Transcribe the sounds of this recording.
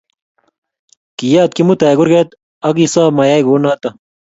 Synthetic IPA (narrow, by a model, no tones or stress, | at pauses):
kijaːt̪̚kimut̪ɐjɡuɾɡet̪ | ɐɡisaːmɐjaːiɡoːnat̪ɐ